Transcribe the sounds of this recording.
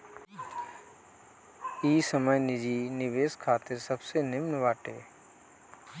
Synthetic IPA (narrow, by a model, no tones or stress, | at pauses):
iːsəməjnɪd͡ʒiːnɪʋeːskʰaːt̪ɪɾsəbsenɪmnʋaːʈeː